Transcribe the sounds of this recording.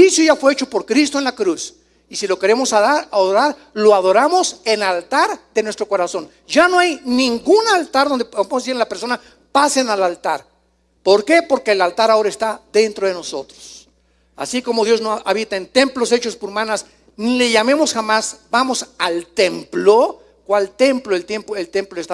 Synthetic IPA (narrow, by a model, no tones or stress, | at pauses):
isjoʝafwe̞et͡ʃo̞po̞ɾkɾis̬t̪oe̞nlakɾus | isilo̞ke̞ɾe̞mo̞saaoɾaɾ | lo̞aðo̞ɾamo̞se̞nalt̪aɾðe̞nwest̪ɾo̞ko̞ɾaso̞n | d͡ʒano̞ajnĩŋɡunalt̪aɾðo̞nd̪eosilapeɾso̞na | pasenalalt̪aɾ | po̞ɾke̞po̞ɾke̞ːlalt̪aɾao̞ɾaest̪aðe̞nt̪ɾo̞ðeno̞so̞t̪ɾos | a̰siko̞mo̞ðjo̞znoaβit̪aent̪e̞mplo̞se̞t͡ʃo̞spoɾumãnas | nile̞ʝame̞mo̞sxamazbamo̞salt̪e̞mplo | kwalt̪e̞mploelt̪empoelt̪e̞mploest̪a